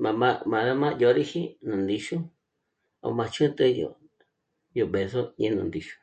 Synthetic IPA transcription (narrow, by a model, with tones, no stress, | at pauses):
mã˨mã˧mã˨ða˧mã˦jo˧ɾi˦hi˦nũ˨nd̪i˧ʃu˦ | a̰˨˧mã˧t͡ʃʰũ˦t̪e˦jo̰˨ | jo˨be˧˨so˦ɲẽ˦nṵ̃˨nd̪i˧ʃu̥˦